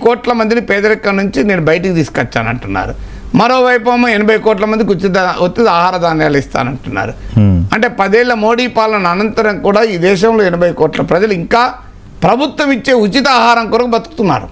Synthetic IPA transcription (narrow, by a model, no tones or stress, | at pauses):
kɔːʈlɐmɐnd̪inipɛːd̪ɐlɛkːɐnuɲt͡ʃine̞ːnubɐjɐʈikit̪iːskɐt͡ʃːa̰ːnɐɳʈunːa̰ːɾu | mɐɾoːʋɐjpɐmoːenɐbʱɐjkɔːʈ̬lɐmɐnd̪ikut͡ʃit̪̬ɐot̪ːid̪aːɦaːɾɐd̪aːnjaːlist̪a̰ːnɐɳʈunːa̰ːɾuɐɳʈe̞ːpɐd̪eːɭːɐmo̞ːɽiːpaːlɐnɐːnɐnt̪ɐɾɐmkuːɽaːiːd̪ɛːʃɐmlo̞ːɛnɐbʱɐjkɔːʈlɐpɾɐd͡ʒɐluiŋkaː | pɾɐbʱut̪wɐmit͡ʃːe̞ːut͡ʃit̪ɐaːɦaːɾɐŋkuːɾɐkɐbɐt̪u̥ku̥t̪unːa̰ːɾu